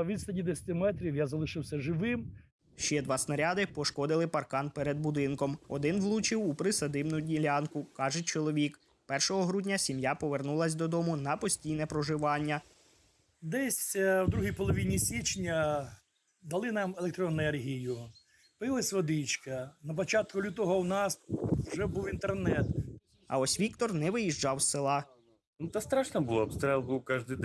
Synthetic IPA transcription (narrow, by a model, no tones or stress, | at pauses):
ʋʲit̪st̪ɐnʲid̪ɛsʲɐ̥t̪ɪmɛt̪ɾʲiwjazɐlˠɪʃɪwsʲɐʒɪʋɪm | ʃt͡ʃɛd̪ʋɑsnɐɾʲɑd̪ɪpɔʃkɔd̪ɪlˠɪpɐrkɑnpɛɾɛd̪̚bʊd̪ɪnkɔmɔd̪ɪnʋlˠut͡ʃiwupɾɪsɐd̪ɪmnʊdʲilʲɑnkʊkɑʒɛt͡ʃɔlˠɔʋʲik | pɛrʃɔɦɔɦɾudʲnʲɐsʲimjapɔʋernulˠɐsʲd̪ɔd̪ɔmʊnɐpɔsʲtʲijnɛpɾɔʒɪʋɑnʲːɐ | d̪ɛsʲwd̪ɾuɦijpɔlˠɔʋʲinʲisʲit͡ʃnʲɐ | d̪ɐlˠɪnɑmelˠek̚t̪ɾɔnɛrɦʲijʊ | pɪlˠɪsʲʋɔd̪ɪt͡ʃkɐnɐpɔt͡ʃɑt̪̚kʊlʲut̪ɔɦɔwnɑswʒɛbuwint̪ernɛt̪ | ɐ̰ɔsʲʋʲikt̪ɔrnɛʋɪjiʒd͡ʒɑwssɪlˠɑ | nut̪ɐst̪ɾɑʃnɐbʊlˠɔɐpst̪ɾɛlˠbuwkɑʒd̪ɪ